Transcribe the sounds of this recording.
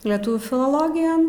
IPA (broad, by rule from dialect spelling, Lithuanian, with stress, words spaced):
lʲɛˈtʊʋʲuː fʲɪlˠoːˈlˠoːɡʲɪjoːn